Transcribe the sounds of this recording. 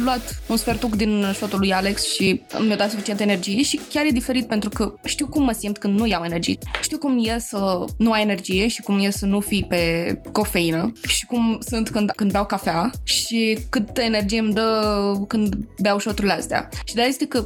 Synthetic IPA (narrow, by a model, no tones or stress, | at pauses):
luat̪unsfe̞rt̪ukd̪inʃot̪ulujaleksʃimowd̪at̪sufit͡ʃieenerd͡ʒije̞ʃikʲarje̞d̪ife̞ɾit̪̚pe̞nt̪ɾukəʃt̪iwkumːəsimt̪kɨnd̪nujawe̞ne̞rd͡ʒḭjeʃt̪iwkumjelsənuajene̞rd͡ʒije̞ʃi̥kumjelsənufijpe̞ko̞fe̞inəʃi̥kumsɨnt̪kɨnd̪kɨnd̪beawkafeaʃikɨt̪əene̞rd͡ʒijemd̪əkɨnd̪beawʃot̪uɾileast̪ea̰ʃid̪eajest̪ekə